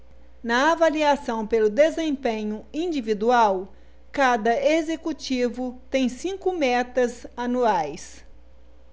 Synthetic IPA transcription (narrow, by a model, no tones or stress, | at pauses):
nɐavaliasɐ̃w̃pelʊd̪ezẽpẽɲʊĩd͡ʒivid̪uaw | kad̪ɐezekut͡ʃivʊt̪ẽj̃sĩkʊmɛt̪ɐzanuajs